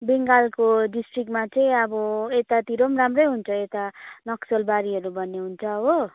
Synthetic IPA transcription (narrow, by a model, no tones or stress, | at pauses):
beŋɡalkoɖisʈrik̚mat͡sʌĩʌbʌet̪at̪iɾomramrʌjɦunt͡sʰʌet̪anʌksʌlbaɾiɦʌɾubʌnːeɦunt͡sʰʌɦo